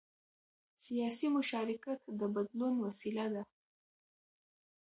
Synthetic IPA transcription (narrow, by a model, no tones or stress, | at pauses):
sijɑsimʊʃɑɾɪkat̪d̪əbad̪lunwasilad̪a